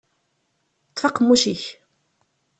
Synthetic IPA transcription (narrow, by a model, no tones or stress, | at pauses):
t̪ˤfɑqːmːuʃiç